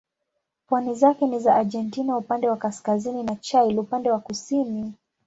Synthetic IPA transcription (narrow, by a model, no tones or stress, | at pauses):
pwanizakɛnizaʔaʄɛntinaupandɛwakaskazininat͡ʃajlupandɛwakusini